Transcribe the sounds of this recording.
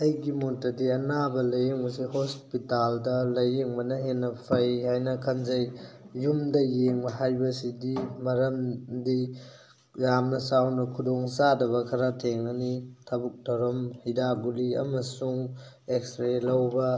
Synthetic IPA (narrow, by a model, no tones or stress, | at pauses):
ɐjɡimotːɐdiɐnabɐlɐjeŋbɐsihospitaldɐlɐjeŋmɐnɐɦenːɐpʰɐjɦajnɐkʰɐnzɐjː | umdɐjeŋbɐɦajbɐsidimɐɾɐmdi | jamnɐsawnɐkʰudoŋsadɐbɐkʰɐɾatʰeŋɐnitʰɐbuk̚tʰɐɾɐmhidaɡuliɐ̰mɐsuŋ | ekstɾelɐwbɐ